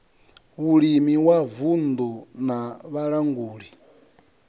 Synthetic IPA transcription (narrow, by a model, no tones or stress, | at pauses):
uɺimiwavund̪unaβaɺaŋɡuːɺi